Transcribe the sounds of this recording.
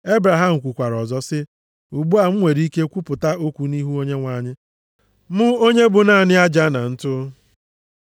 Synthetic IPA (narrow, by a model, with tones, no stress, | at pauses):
e˦bɾa˨ɦa˦m̩˨kʷu˨kʷa˨ɾɔ˨zɔ˦sɪ˦ | u˨ɡ͡bu˦a˨m̩˦ŋʷe˨ɾi˦ke˦kʷu˦pʊ˨ta˦o˦kʷu˨ni˦ɦu˦o˦ɲe˦ŋʷa˨ɲɪ˦ | mʊ˦o˦ɲe˦bʊ˨na˦˨nɪ˦a˦d͡ʒa˦na˨n̩˦tʊ˦